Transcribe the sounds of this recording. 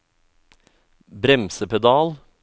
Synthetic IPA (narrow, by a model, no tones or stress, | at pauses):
bɾɛmsəpʰɛd̪ɑːl